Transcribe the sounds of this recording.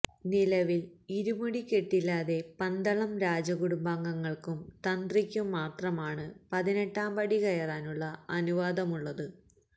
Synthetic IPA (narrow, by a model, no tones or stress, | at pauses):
nilɐʋiliɾumuɽikʲːe̞ʈːilːaːðe̞pɐnd̪ɐɭɐmɾaːd͡ʑɐɣuɽumbaːŋɡɐŋːɐɭkumt̪ɐnd̪rikʲːumːaːt̪rɐmaːɳɨpɐðine̞ʈːaːmbɐɽikɐjɐraːnuɭːɐɐnuʋaːd̪ɐmuɭːɐðɨ